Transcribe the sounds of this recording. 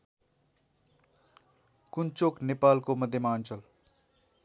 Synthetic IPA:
kunt͡soknepalkomʌd̪ʱjʌmaʌnt͡sʌl

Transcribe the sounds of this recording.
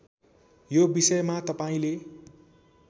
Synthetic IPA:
jobisʌjmat̪ʌpaĩle

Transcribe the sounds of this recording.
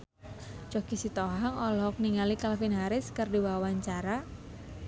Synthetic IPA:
t͡ʃɔkisit̪ɔɦaŋɔlɔɦɔk̚niŋalikalfinɦaɾɪskərdiwawaɲt͡ʃaɾa

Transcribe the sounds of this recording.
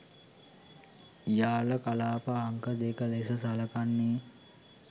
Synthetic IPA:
ijaːləkalaːpaːŋkəd̪eːkəlesəsaləkanːeː

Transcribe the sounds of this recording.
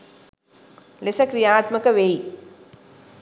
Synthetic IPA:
lesɐkɾijaːt̪mɐkɐʋeɦi

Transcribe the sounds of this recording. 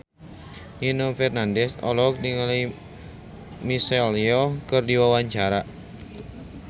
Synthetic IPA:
inofɛrnandɛsɔ̰lɔk̚diŋalaj | misɛliɔkɨrdiwawaɲt͡ʃaɾa

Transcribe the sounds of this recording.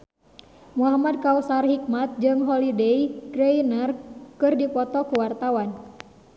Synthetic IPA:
muɦamad̚kausarhik̚mat̪̚d͡ʒɨŋɦɔlidejɡɾeinərkɨrdipɔt̪ɔkuwart̪awan

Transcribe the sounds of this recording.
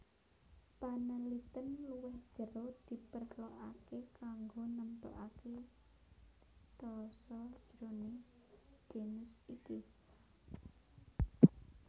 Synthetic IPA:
panəlit̪ənluwɛhd̥ʒ̥əɾod̪̥i̤pərloʔakekaŋɡonəmpə̰ʔake | t̪ɔsɔ̥d͡ʒ̥ɾone | d͡ʒ̥enʊsiki

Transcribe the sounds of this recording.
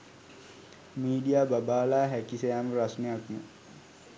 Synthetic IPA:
miːɖijaːbabaːlaːɦækisejaːməɾasnejakmə

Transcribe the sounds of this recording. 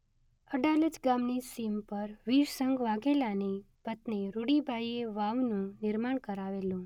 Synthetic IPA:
əɖaləd͡ʒɡamnisimpəɾʋiʃsəŋɡʋaɡelane | pət̪neɾuɽibʱajeʋaʋnũnɪɾmaɳkəɾaʋelũ

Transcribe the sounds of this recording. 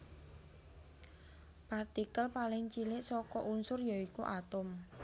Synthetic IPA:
part̪ikəlpalɪŋt͡ʃilɪʔsɔkɔʔunsʊrjaikuʔat̪ʊm

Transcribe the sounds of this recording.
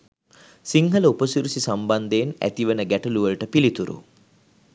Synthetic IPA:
siŋɦɐlɐupɐsuɾusisamband̪eːnæ̰t̪iʋɐnəɡæʈɐluʋəlʈəpilit̪uɾṵ

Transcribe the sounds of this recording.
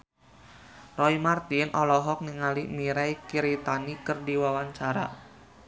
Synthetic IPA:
rɔimart̪inʔɔlɔɦɔk̚niŋalimiɾɛikiɾit̪anikərdiwawaɲt͡ʃaɾa̰

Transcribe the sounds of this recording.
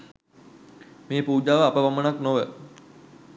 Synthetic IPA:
meːpuːd͡ʒaːʋəapəʋamənaknoʋə

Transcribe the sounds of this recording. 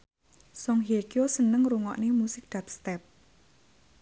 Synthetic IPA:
sɔŋɦekjosənəŋɾuŋɔ̰ʔnemusɪk̚d̪̥ap̚st̪ɛp̚

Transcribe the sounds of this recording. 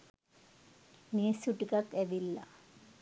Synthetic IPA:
niːsuʈːikɐt̪eʋilːɐ̰

